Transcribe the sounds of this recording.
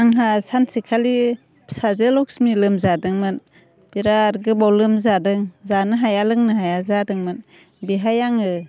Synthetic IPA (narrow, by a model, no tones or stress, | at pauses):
aŋɦasansikʰali | sazelɔk̚smilɯmzadɯŋmɯn | b̥iɾaɾɡɯbawlɯmzadɯŋzanɯɦajalɯŋnɯɦajazadɯŋmɯn | biɦajaŋɯ